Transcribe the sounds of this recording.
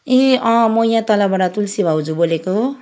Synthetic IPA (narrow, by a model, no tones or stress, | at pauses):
ẽʌ̃mojãt̪ʌlabaɽat̪ulsibʱawd͡zuboleko